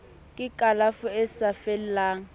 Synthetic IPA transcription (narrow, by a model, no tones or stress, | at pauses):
kʼɪkʼalafʊɛsafɛllaːŋ̩